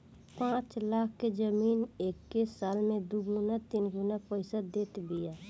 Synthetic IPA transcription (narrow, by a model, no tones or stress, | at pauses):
pãːt͡ʃlaːk̚ʰked͡ʒəmiːneːkːessaːlmẽd̪uɡʊnat̪iːnɡʊnapəɪsad̪eːt̪bɪja